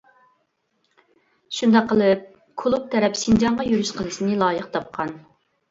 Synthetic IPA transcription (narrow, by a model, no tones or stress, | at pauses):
ʃund̪ɑqʰːəlˠɨp̚ | kʰolˠup̚t̪ʰɛɾɛpsind͡ʒɑɴʁɑjyɾyʃqʰəlˠɨsɪnɪlˠɑːjəqt̪ʰɑp̚qʰɑn